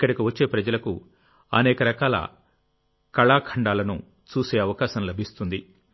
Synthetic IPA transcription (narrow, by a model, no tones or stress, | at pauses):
kːɐɽikiʋɐt͡ʃːe̞ːpɾɐd͡ʒɐlɐku | ɐ̰nɛːkɐɾɐkaːlɐ̰ | kɐɭaːkʰɐɳɖaːlɐnṵ | t͡ʃuːse̞ːɐʋɐkaːsɐmlɐbʱist̪und̪i